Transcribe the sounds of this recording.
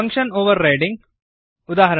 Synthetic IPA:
ɐŋkʂɐnoːʋɐɾːajɖĩŋɡ | ʊd̪aːɦɐɾɐ

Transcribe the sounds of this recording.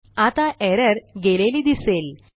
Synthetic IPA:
at̪aʔɛɾəɾɡeleliːd̪isel

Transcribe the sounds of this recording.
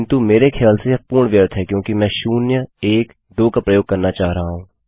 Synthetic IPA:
nt̪umeːɾekʰjaːlsepuːɾɳʋjəɾt̪ʰɦɛkjõːkimɛ̃ːʃuːnjəeːk | d̪oːkapɾɐjoːɡ̚kɐɾnat͡ʃaːɦɾɐɦaɦũː

